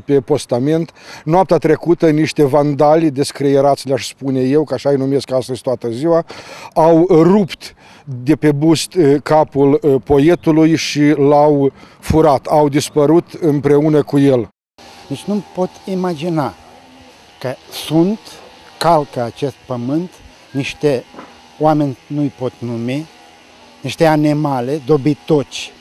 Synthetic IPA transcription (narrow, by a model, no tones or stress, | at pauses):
pe̞po̞st̪ame̞nt̪noapt̪eat̪ɾe̞kut̪əniʃt̪e̞vand̪alʲd̪e̞skɾijeɾat̪sʲlʲeaʃspune̞je̞wkəaʃajnume̞skast̪əzt̪oat̪əziwaawrupt̪ | d̪e̞pe̞bust̪kapulpo̞je̞t̪ulujʃilaw | fuɾat̪awd̪ispəɾut̪ɨmpɾe̞unəkuje̞l | nit͡ʃʲnumpo̞t̪imad͡ʒina | kəsunt̪ | kalkəat͡ʃe̞st̪̚pəmɨnt̪ | niʃt̪e̞ | oame̞nʲnujpo̞t̪numi | niʃt̪e̞animale̞d̪o̞bit̪o̞t͡ʃʲ